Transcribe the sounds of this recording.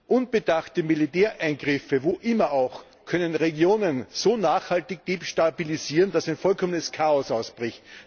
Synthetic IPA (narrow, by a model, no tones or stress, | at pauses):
ʔʊnb̥əd̥axtəmilitɛːɐʔæɪnɡʁɪfəvoʔɪmɐʔaʊx | kʰœnənʁeɡjoːnənz̥oːnaːxhaltɪç̚d̥eːpʃtabiliziːʁənd̥asæɪnfɔlkʰɔmənəskʰaːɔsaʊsb̥ʁɪçt